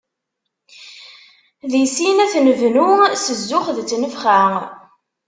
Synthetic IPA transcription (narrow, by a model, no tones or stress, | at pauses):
ðisinæθnəvnusəzːʊχðt͡sːnəfχa